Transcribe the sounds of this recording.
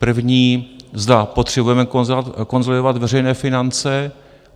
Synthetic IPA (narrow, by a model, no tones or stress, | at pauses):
pr̩vɲiːzd̪apo̞t̪r̝̥ɛbujɛmɛkzko̞nzolɪd̪ovat̪vɛr̝ɛjnɛːfɪnant͡sɛ